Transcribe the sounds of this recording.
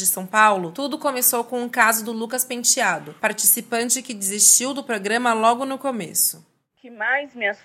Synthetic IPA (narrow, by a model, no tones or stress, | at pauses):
d͡ʒɪsɐ̃w̃pawlʊt̪ud̪ʊkomesowkõũkazʊd̪ʊlukɐspẽt͡ʃiad̪ʊpaɾt͡ʃisipɐ̃nt͡ʃɪkɪd͡ʒɪzist͡ʃiwd̪ʊpɾoɡɾɐ̃mɐlɔɡʊnʊkomḛsʊ̥ | kɪmajzmɪas